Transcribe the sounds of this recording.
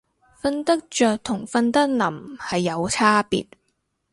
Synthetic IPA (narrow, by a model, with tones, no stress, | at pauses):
fɐ˧nt̪ɐ˥k̚t͡ʃœː˨k̚t̪ʰʊ˨˩ŋfɐ˧nt̪ɐ˥k̚nɐ˨˩mhɐ˨jːɐ˨˧wt͡sʰaː˥pḭː˨t̚